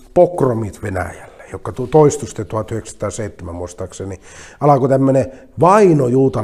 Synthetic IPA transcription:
pokromit̪ʋenæ̰jælːe̥jokːɑt̪ut̪oist̪ust̪et̪uhɑt̪yhekst̪ɑːseit̪ːemæmost̪ɑkseni | ɑlɑkot̪æmːøne | ʋɑinojuːt̪ɑ

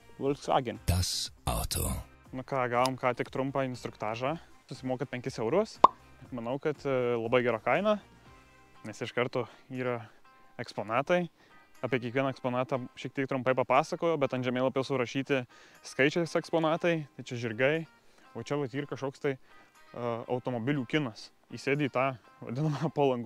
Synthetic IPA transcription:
ʋolʲsʋɑ̰ːɡʲɪnʲt̪ɐsa̰ʊt̪ʰo̰ | nʊkɑːɡɑːʋoːmkɑːt̪ʲɪkt̪ɾʊmpɑɪnst̪ɾʊkt̪ɑːʒɑː | sʊsʲɪmoːkɐt̪̚pʲɛŋʲkʲɪsɛʊɾuɔsmɐnɐʊkɐt̪lˠɐbɐɪɡʲæːɾɑːkɐɪnɑː | nʲɛsɪʃkɐɾt̪oːiːɾɐ | ɛkspoːnɑːt̪ɐɪ | ɑːpʲiɛkʲiɛkʋʲiɛnɐɛkspoːnɑːt̪ɑːʃʲiɛkt̪ʲiɛk̚t̪ɾʊmpɐɪpɐpɑːsɐkoːjoːbʲɛt̪ɐnʒʲɛmʲeːlˠɐpjɛʊsʊɾɐʃʲiːt̪ʲɪ | skɐɪt͡ʃʲɛsɛkspoːnɑːt̪ɐɪt̪ɐɪt͡ʃʲɛʒʲɪrɡɐɪ | oːt͡ʃʲɛʋɐt̪iːɾkɐʃkoːkst̪ɐɪ | ɐɐ̰ʊt̪oːmoːbʲɪlʲuːkʲɪnɐs | ḭsʲeːd̪ʲiːt̪ɑːʋɐ̰d̪ʲɪnɐmɐɐpolˠɐŋɡu

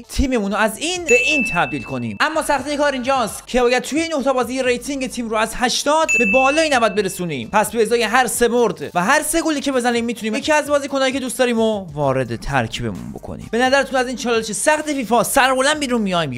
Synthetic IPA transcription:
t̪ʰiːme̞munoæziːnbe̞ʔiːnt̪ʰæbd̪iːlkʰo̞nḭːmʔæmːɒːsæχt̪ijekʰɒːɾind͡ʒɒːst̪cʰe̞bɒːjæd̪̚t̪ʰujeiːnːoht̪ʰɛːbɒːziːjeɾejt̪ʰiŋɟet̪ʰiːmɾoæzhæʃt̪ɒːd̪be̞bɒːlɒːinæbæd̪̚be̞ɾesuːnḭːmpʰæsbeːzɒːjeɦæɾse̞moɾd̪væɦæɾse̞ɡoliːcʰe̞be̞zæniːmːiːt̪ʰuniːmjecʰiːæzbɒːziːkʰonɒːjiːcʰeuːst̪ɒːɾiːmovɒːɾe̞d̪et̪ʰæ̰ɾcʰiːbe̞̰mṵnbo̞̰kʰo̰nḭːmbe̞næzæɾet̪ʰunæziːnt͡ʃʰɒːlleʃesæxt̪efiːfɒːsæɾbolænbiːɾunmijɒjm

